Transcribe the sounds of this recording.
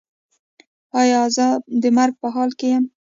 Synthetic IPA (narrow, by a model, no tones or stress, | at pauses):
ɑjɑzəd̪əmaɾɡ̚pəɦɑlkejam